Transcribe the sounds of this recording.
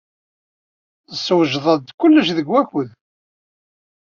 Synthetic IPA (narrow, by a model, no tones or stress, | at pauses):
əsːwəʒðˤɑd̪kʊlːəʃðəɡwæçəð